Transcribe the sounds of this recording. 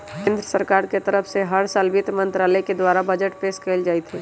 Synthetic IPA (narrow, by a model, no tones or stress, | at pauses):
kẽːnd̪ɾəsəɾkaːɾket̪əɾəfʰseɦəɾsalbɪt̪mə̃nt̪ɾaːləjked̪waːɾabɐd͡ʒəʈpeːskʰeːld͡ʒaːit̪ʰeː